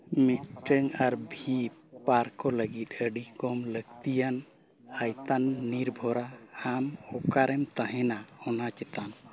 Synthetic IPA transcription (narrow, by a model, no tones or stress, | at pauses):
mit̪̚ʈəŋaɾbʱipaɾkɔləɡit̪̚əɖikɔmləɡt̪ijan | ajt̪anːiɾbʱɔɾaamɔkaɾɛmt̪ãɦɛnahɔnat͡ʃɛt̪anɔ